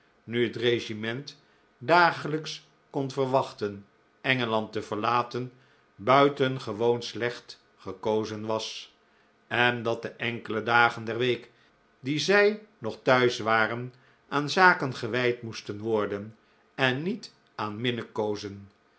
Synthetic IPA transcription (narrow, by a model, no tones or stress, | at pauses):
nyɦətreʒimɛnt | daːχələks | kɔnvəɹʋɑχtən | ɛŋəlɑntəvəɹlaːtən | bœɥtənχəʋownslɛχt | χəkowzənʋɑs | ɛndɑt̚dəʔɛŋkələdaːχəndɛrʋejk | dizɛjnɔχtœɥsʋaːrən | ʔaːnzaːkənχəʋɛjtmustənʋɔɹdən | ɛnːit | ʔaːnmɪnəkowzən